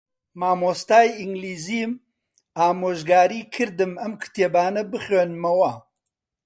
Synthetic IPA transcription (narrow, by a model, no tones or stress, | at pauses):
maːmoːst̪aːjiŋɡliːziːm | aːmoːʒɡaːɾiːkʰɨɾd̪ɨmɐmkʰɨ̥t̪eːbaːnɐbɨχeːnmɐwɐ